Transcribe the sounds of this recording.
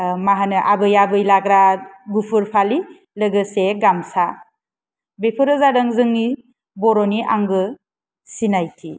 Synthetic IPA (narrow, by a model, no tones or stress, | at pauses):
maɦanɯʔabɯjabɯjlaɡɾaɡupʰɯɾpʰali | lɯɡɯseɡamsa | bepʰɯɾɯzadɯŋzɯŋni | bɔɾɔniʔa̰ŋɡɯ | sinajkʰi